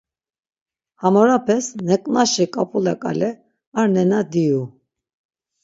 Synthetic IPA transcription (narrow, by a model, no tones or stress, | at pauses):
hamɔɾapʰɛsnɛkʼnaʃikʼapʼulakʼa̰lɛ | aɾnɛnad̪iju